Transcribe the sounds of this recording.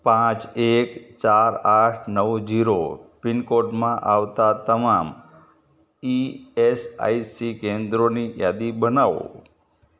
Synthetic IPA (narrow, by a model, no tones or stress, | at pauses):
pãt͡ʃekt͡ʃaɾaʈʰnəʋd͡ʒiɾopɪnkoʈmãʔaʋt̪at̪əmam | iesa̰jsikend̪ɾonijad̪ibənaʋo̰